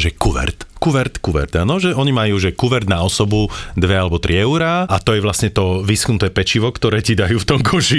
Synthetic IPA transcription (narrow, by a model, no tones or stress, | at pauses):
ʒɛkuʋɛ̰ɾt̪kuʋɛɾt̪kuʋɛ̰ɾd̪anɔʒɛʔɔɲimajuːʒɛkuʋɛɾd̪naɔsɔbud̪ʋɛalɛbɔt̪ɾiɛʊɾaat̪ɔjɛʋlasɲɛt̪ɔʋisknut̪ɛːpɛt͡ʃiʋɔkt̪ɔɾɛːcid̪ajuːft̪ɔmkʰɔʃi